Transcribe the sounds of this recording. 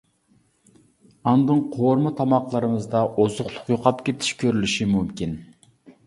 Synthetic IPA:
ɑnd̪ɨŋqʰoɾmɨt̪ʰɑmɑqlˠɑɾɨmɨzd̪ɑʔozʊχlˠʊqjoqʰɑpkʲʰet̪ʰi̥ʃkʲʰøɾylyʃimymkʲin

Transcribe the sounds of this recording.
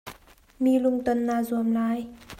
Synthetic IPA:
miːluŋt̪onːaːzuəmlaːj

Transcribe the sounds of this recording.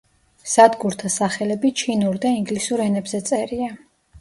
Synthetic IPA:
z̥ad̪ɡuɾt̪ʰasaχɛlɛbit͡ʃʰinuɾd̪aiŋɡlisuɾɛnɛbzɛt̪sʼɛɾia

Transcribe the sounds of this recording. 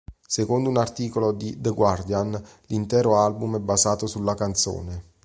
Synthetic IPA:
sekond̪ounart̪iːkolod̪id̪əɡward̪jan | lint̪ɛːɾoalbumɛbːazaːt̪osulːakant̪so̰ːne

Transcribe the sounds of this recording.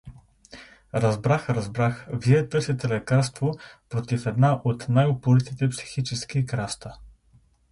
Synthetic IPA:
ɾɐzbɾaxɾɐzbɾaxviɛt̪ɤsit̪ɛlɛkaɾst̪vopɾot̪ifɛd̪naʔot̪najopʊlit̪it̪ɛpsi̥xit͡ʃɛskikɾast̪ə

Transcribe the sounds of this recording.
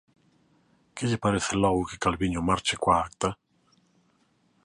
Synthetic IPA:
kʰɪʎipaɾeθelɔwukekːalviɲomart͡ʃɪkʷwak̚t̪a

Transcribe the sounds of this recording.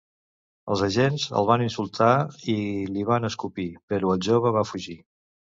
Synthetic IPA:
ə̰lˠzəʒenzə̰lˠβ̞aninsulˠt̪ʰailiβanəskupipəɾuəlˠʒoβəβafuʒi

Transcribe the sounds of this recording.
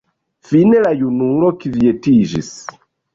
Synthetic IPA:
finelajunulokivietiʒis

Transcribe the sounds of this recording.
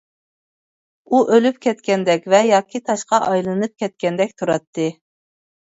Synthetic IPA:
uʔølypkʲʰɛt̪kʲɛnd̪ɛkʲvɛjɑːkʲʰit̪ʰɑʃqɑʔɑjlˠɨnɨp̚kʲʰɛt̪̚kʲɛnd̪ɛk̚ʲt̪ʰuɾɑt̪ʰːɨ

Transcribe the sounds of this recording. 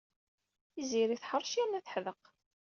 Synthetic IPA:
iziɾiθħəɾˤʃiɾnæθħðəq

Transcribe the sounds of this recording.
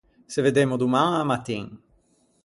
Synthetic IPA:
seved̪emod̪umãŋamat̪ĩŋ

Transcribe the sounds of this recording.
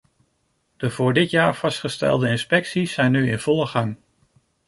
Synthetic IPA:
d̥əvʊːɹdɪtjaːɹv̥ɑstχəstɛ̰lˠdəɪnspɛksisːɛjnyɪnv̥ɔlˠəχɑŋ

